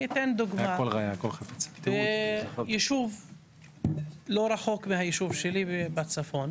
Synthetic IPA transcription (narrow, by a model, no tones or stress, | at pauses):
it̪end̪uɡmaolʁajakolχafit͡sḁvejiʃuv | loɾaħokmehajiʃuvʃelibat͡safo̞n